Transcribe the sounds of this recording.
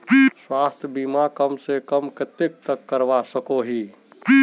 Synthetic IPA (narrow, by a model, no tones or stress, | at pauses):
swaːst̪ʰbimakəmsekəmkɪt̪ek̚t̪əkːəɾʋasəkoɦi